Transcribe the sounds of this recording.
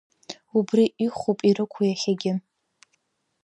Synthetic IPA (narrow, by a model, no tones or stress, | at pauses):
ubriʔiχʷupʼiɾɨkʷʰujaχʲaɡʲɪ